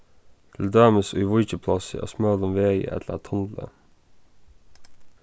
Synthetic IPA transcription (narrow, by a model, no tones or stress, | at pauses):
t̪ʰɪld̪øːməsʏːʋʊʏçəpʰlɑsə̰ʔɑ̰ːsmœːlɔmʋeːɡə̰ʔɛ̰t̪ʰlə̰t̪ʰɑnlə̰